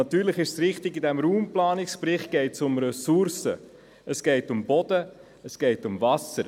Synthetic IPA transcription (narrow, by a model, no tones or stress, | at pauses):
ɑt̪yːɾləχɪʃsɾɪχtɪɡidɛmɾuːmplɑːnɪkspɾɪχt̚ɡ̥ɛɪtsʊmɾɛsuɾsə̰ | əsɡ̥ɛɪtʊmbɔd̥ə | əsɡ̥ɛɪtʊmvɑsəɾ